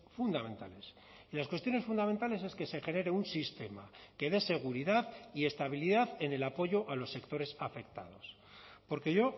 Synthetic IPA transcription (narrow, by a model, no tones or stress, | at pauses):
fund̪amẽ̞nt̪a̰le̞s | ilaskwest̪jone̞sfund̪amẽ̞nt̪ale̞s̬e̞ske̞se̞xe̞ne̞ɾe̞unsist̪e̞make̞ðe̞se̞ɣ̞uɾiðaðie̞st̪aβ̞iliðaðe̞ne̞lapo̞ʝo̞ʔalo̞sːe̞kt̪o̞ɾe̞safe̞kt̪a̰ð̞o̞s | po̞ɾke̞ʝo̞